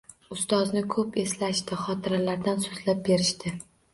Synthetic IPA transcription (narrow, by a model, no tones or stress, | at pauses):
ʊst̪ɒznɪkʰɵpe̞slaʃt̪ɪχɒt̪ʰɪɾalaɾd̪ansozlap̚be̞ɾɪʃt̪ɪ